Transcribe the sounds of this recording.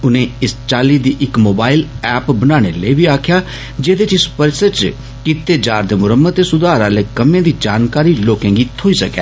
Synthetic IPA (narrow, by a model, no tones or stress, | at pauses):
ʊnẽːɪst͡ʃaːliːd̪iːʔɪkmoːbaːɪlɛːpbənaːɽ̃ḛːleiʋiːaːkʰjaː | d͡ʒeːd̪eːt͡ʃispəɾsət͡ʃ | kiːt̪eːd͡ʒaːɾd̪eːmʊɾəmːət̪ːeːsʊd̪aːɾaːleːkəmẽãːd̪iːd͡ʒaːnkaːɾiːloːkɛ̃ːŋɡiːt̪ʰoːiːsəkɛ̰ː